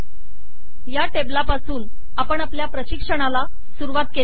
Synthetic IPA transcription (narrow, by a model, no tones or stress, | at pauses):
jaʈeblapasuːn | apəɳapljapɾəɕikʂəɽ̃ala | suɾuʋat̪̚ke